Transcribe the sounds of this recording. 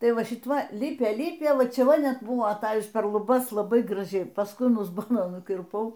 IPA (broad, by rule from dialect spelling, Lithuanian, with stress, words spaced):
ˈtɐɪ ˈʋɐ ˈʃʲɪt ˈʋɐ ˈlʲɪpʲeː ˈlʲɪpʲeː ˈʋɐ ˈt͡ʃʲɛ ˈʋɐ ˈnʲɛt ˈbʊʋoː ɐˈtɑːjʊs pʲɛr lˠʊˈbɐs lˠɐˈbɐɪ ɡrɐˈʒʲɛɪ pɐsˈkʊɪ ɐn ʊzˈboːnoː nʊkʲɪrˈpɐʊ